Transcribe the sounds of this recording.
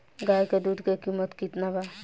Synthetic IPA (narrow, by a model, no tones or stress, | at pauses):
ɡaːjkeɖ̪uʈkekimət̪kit̪naba